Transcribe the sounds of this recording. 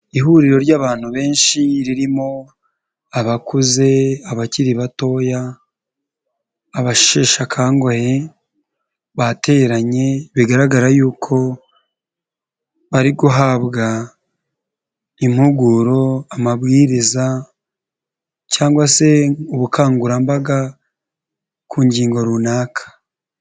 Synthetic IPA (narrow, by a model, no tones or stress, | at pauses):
iɦuɾiɾo̞ɾɟaːβaːn̥huβe̞ːnʃiɾiɾimo̞ | aβakuze̞aβaciɾiβato̞ja | βaʃʃeːʃakʰaːŋɡoje | βate̞ːɾaɲe̞βiɡaɾaɡaɾajuːkʰo̞ | βaɾiɡuɦaβɡa | im̥huɡuɾo̞amaβɡiːɾiza | caːŋɡwase̞uβukʰaːŋɡuɾambaɡa | kʰuːɲɟiːŋɡo̞ɾunaːkʰḁ